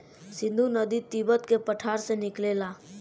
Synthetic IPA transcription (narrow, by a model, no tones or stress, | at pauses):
sɪ̃nd̪ʱunəd̪it̪ibət̪kepəʈʰaːɾsenɪkleːla